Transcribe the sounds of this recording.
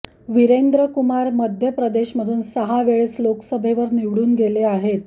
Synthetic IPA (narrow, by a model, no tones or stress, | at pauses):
ʋiɾend̪ɾəkumaɾməd̪ʱjəpɾəd̪eɕməd̪ʱuːnsəɦaʋeɭesloksəbʱeʋəɾniʋɽuːnɡeleaɦet̪